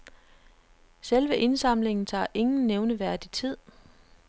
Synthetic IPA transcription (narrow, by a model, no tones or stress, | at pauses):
selʋəʔe̝nsɑ̈m̰le̝ŋn̩t͡sʰɑ̰̈ːʔe̝ŋn̩neʊnəʋæɐ̰d̥it͡sʰið̞̰ˠ